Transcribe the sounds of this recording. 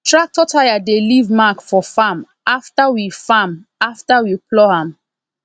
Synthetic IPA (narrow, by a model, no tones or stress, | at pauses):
tʰɹak̚tɔtʰajadelivmakfɔfam | aftawifamaftawiplɔhãm